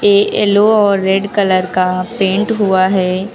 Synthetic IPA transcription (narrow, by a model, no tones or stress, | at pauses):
eːeːloɔːɾːeɖkɐləɾkapẽːɳʈɦuaɦɛː